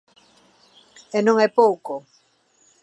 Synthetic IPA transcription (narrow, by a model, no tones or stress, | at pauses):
enõŋɛpowko